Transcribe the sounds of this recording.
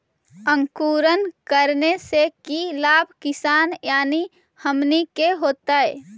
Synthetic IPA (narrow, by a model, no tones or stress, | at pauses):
ə̃ŋkuːɾənkəɾnesekilaːbʱkɪsaːnjaːni | həmnikeɦoːt̪aɛ